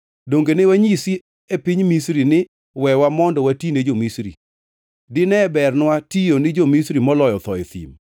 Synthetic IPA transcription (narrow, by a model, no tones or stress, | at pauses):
doŋɡenewaɲisi | epiɲmisɾinɪ | wɛwamɔndɔwatined͡ʒomisɾḭ | dɪnɛbɛrnwatijonɪd͡ʒomisɾimɔlɔjɔt̪ɔet̪ḭm